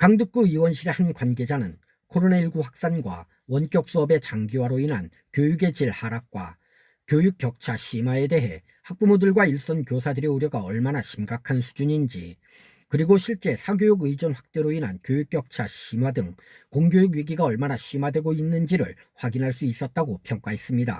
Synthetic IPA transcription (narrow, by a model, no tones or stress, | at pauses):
kaŋdɯk̚k͈uiwʌnɕʰiɾe̞hankwanɡe̞d͡ʑanɯn | kʰoɾoneiɭɡuɸwak̚s͈anɡwa̰ | wʌnk͈jʌk̚s͈uʌbe̞t͡ɕaŋɡiwaɾoinɦan | kjojuɡe̞t͡ɕiɭhaɾak̚k͈wa̰ | kjojuk͈jʌk̚t͡ɕʰaɕʰimae̞de̞ɦe̞̰ | hak̚p͈umudɯɭɡwaiɭs͈ʌnkjosʰadɯɾjʌuɾjʌɡaʌɭmanaɕʰimɡakʰansʰu̥d͡ʑuɲind͡ʑi | kɯɾiɡoɕʰiɭt͡ɕ͈e̞sʰaɡjojuɡɯid͡ʑʌnɸwak̚t͈e̞ɾoinɦankjojuk͈jʌk̚t͡ɕʰaɕʰimadɯŋ | koŋɡjojuɡɥiɡiɡaʌɭmanaɕ͈ʰimadwe̞ɡoinːɯnd͡ʑiɾɯ̰ɭ | ɸwaɡinɦaɭs͈uis͈ʌt̚t͈aɡopʰjʌŋk͈aɦe̞s͈ɯmɲida̰